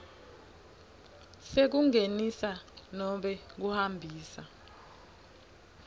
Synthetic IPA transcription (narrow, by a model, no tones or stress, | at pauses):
sek̬uŋenisanɔɓɛk̬uhambʱiːsa